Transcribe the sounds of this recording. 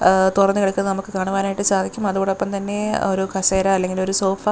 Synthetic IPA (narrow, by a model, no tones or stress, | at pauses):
t̪urɐnːɨkiɽɐkːunːɐnɐmukːɨkaːɳuʋaːnaːjiʈːɨsaːd̪ʱikʲːumɐðuɣoːɽeopːɐmt̪ɐnːe̞o̞ɾukʰɐseːɾɐːlːe̞ŋɡilo̞ɾuso̞ːfɐ